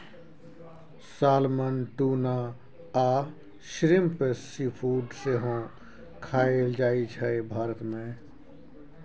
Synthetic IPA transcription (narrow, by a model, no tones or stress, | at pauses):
saːlmənʈuːna | aː | ʃɾimpessipʰuːɖseɦõ | kʰaːeld͡ʒaːit͡ʃʰɛebʱaːɾət̪mẽ